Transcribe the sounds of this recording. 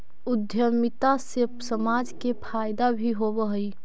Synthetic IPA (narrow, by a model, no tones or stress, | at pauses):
ʊd̪ʱjəɾmit̪asesəmad͡ʒkepʰajd̪abʱiɦobəɦəj